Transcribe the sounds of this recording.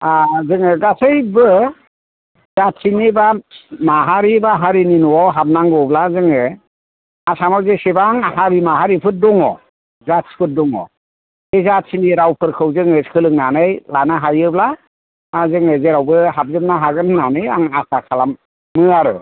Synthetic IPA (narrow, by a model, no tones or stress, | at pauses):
azɯŋɯɡasɯjbɯ | zat̚sinibamaɦaɾibaɦaɾininuwawɦap̚naŋɡɔblazɯŋɯ | asamawzesibaŋhaɾimaɦaɾipʰɯt̚dɔŋɔ | zat̚pʰɯt̚dɔŋɔ̰ | ezatsiniɾawpʰɯɾkʰɯwzɯŋɯkʰɯlɯŋ̚nanɯjlanaɦajɯbla | azɯŋɯzeɾawbɯhab̚zɯp̚naɦaɡɯnnanɯjaŋasakʰalamː | ɯaɾɯ̰